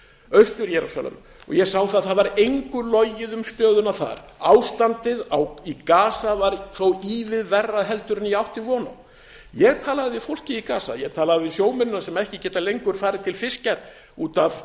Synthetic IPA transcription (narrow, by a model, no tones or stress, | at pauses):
œɥst̪ʏɾjɛɾusa̰lɛ̰m | ɔ̰ɣjɛɣsaːwθaðθaðvaɾejŋkʏlɔjɪðʏmst̪œːðʏnaθa̰ɾawst̪ant̪ɪðawikaːsavaɾθowiːvɪðvɛrːaðɦɛlt̪ʏɾʏniawht̪ɪvɔːnaw | jɛɣt̪ʰaːlaðɪvɪðfowl̥cɪikaːsa̰jɛɣt̪ʰaːlaðɪvɪsjoːwmʏnʏnasɛmɛhcɪcɛːt̪alejŋkʏɾ̥faːɾɪt̪ʰɪlfɪscaɾ̥ | uːt̪av̥